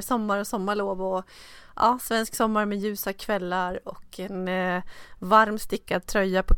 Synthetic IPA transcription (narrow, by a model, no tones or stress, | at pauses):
sɔmːaɾɔsɔmːaɭoːvɔʔɑ̰ːsvɛnsksɔmːaɾmɛjʉ̟ːsakʰvɛlːaɾɔkʰːɛn | vaɾmst̪ɪkːad̪̚t̪ʰɾœjːapʰɔ